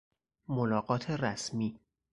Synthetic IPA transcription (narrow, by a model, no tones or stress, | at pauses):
molɒːɢɒːt̪ʰeræsmiː